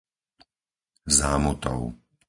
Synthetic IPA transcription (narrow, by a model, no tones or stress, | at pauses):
zaːmut̪ɔ̰ʊ